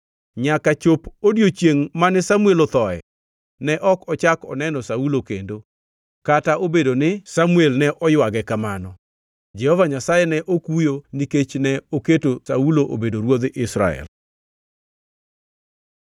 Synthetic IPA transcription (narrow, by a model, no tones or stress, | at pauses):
ɲakat͡ʃopodjot͡ʃjeŋmanɪsamuelɔt̪ɔɛ̰ | nɛʔɔkɔt͡ʃakɔnɛnɔsaulokḛndo | kataobedonɪsamuelnɛʔɔjwaɡɛkamanɔ | d͡ʒɛhɔvaɲasajɛnɛʔokujoniket͡ʃnɛoketosauloʔo̰bedoɾwod̪ʔɪsɾa̰ɛ̰l